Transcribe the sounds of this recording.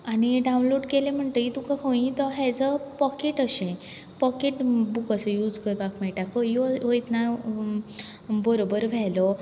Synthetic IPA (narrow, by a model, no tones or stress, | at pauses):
aniɖaw̃nloɽkelẽm̤əɳt̪əit̪ukakʰõĩt̪ɔɦjɛd͡zəpɔkeʈəɕẽ | pɔkeʈbukəsəjud͡zkəɾbakmɛɭʈakʰɔjoʋəjit̪na | bəɾobəɾʋʱɛlɔ